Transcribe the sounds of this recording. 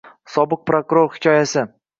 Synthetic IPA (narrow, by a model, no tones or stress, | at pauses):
sɒbɨq̚pɾokuɾoɾhɪ̥kʲʰɒjasɪ